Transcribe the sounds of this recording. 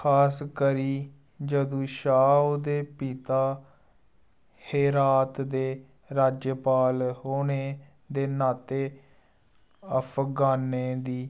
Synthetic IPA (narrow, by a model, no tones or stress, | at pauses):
kʰaːskəɾiː | d͡ʒəd̪ũːʃaːud̪eːpiːt̪aː | heːɾaːt̪d̪eː | ɾaːd͡ʒjəpaːlɦoːneː | d̪eːnaːt̪eː | əpʰɡaːneːd̪iː